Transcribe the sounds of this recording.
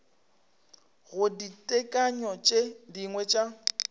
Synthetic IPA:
ɣʊditʼɛkʼaɲɔt͡ʃʼediŋwɛt͡ʃʼa

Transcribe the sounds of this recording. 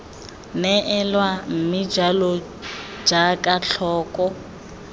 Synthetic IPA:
nɛʔɛlwam̩mid͡ʒalɔ̥ | d͡ʒakʼaɬʰɔːkʼɔ

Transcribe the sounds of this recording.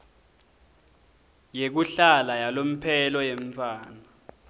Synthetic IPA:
jek̬uɬalajalom̩pʰɛlɔjeɱ̩fʰaːna

